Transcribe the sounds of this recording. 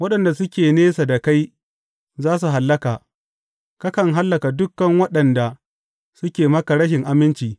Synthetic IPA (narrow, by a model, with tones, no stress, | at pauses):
wɐ˦ɗɐ˨nda˨sʊ˦kʲeː˨neː˦sa˨da˨ka˦j | zaː˦s̬u˨ɦa˨lːɐ˦kaː˨ | ka˦kɐ˨ŋɦa˦lːɐ˨ka˨dʊ˦kːɐ˨ŋwɐ˦ɗɐ˨nda˨ | sʊ˦kʲeː˨mɐ˦ka˨ɽɐ˦ʃ̬ɪ˨ŋʔa˨mɪ˦nt͡ʃiː˨